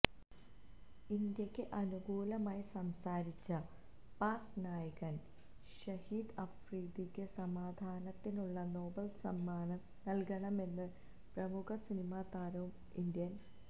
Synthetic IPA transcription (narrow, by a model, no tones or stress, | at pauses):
ind̪jɐkʲːɨʔɐnuɡuːlɐmaːjisɐmsaːɾit͡ɕːɐ | paːknaːjɐɣɐn | ɕɐhiːd̪ɐfriːd̪ikʲːɨsɐmaːd̪ʱaːnɐt̪ːinuɭːɐno̞ːbɐlsɐmːaːnɐ | nɐlkɐɳɐme̞nːɨ | prɐmukʰɐsinimaːt̪aːɾɐʋum | ind̪jɐn